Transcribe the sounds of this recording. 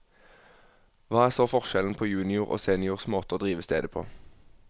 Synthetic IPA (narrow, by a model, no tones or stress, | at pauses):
ʋɑːæːʁsoːfɔʁʃɛln̩pʰoːjʉːnɪʊʁʔo̰ːseːnɪʊʁsmoːt̪əoːd̪ʁiːʋəst̪ḛːd̪əpʰo̰ː